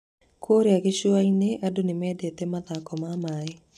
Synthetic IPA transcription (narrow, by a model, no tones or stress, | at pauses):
kʰoɾeaɡeʃuaineʔadonemɛdet̪emaðakɔmamae